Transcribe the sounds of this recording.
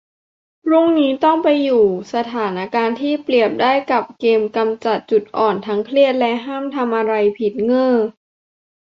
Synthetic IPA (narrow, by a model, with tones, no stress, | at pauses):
ɾu˥˩ŋniː˦˥t̪ɔ˥˩ŋpa˧jːuː˨˩sa˧t̪ʰaː˩˦nʔa˧kaː˧nt̪ʰiː˥˩pli˨˩əp̚daː˥˩jka˨˩p̚keː˧mka˧mt͡ɕa˨˩t̪̚t͡ɕu˨˩t̪̚ʔɔː˨˩nt̪ʰa˦˥ŋkʰli˥˩ət̪̚lɛ˦˥ʔɦaː˥˩mt̪ʰa˧mʔa˧ɾa˧jpʰi˨˩t̪̚ŋɤː˥˩